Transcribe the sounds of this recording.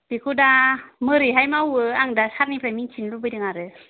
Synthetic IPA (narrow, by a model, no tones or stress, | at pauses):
b̥ikʰudamɯɾiɦajmawɯaŋdasaɾnipɾamiŋt͡ʃʰinlubɯjdɯŋaɾɯ